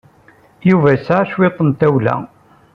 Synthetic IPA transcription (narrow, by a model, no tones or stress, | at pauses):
juvæsaʃwet̪ˤːənt̪æwlæ̰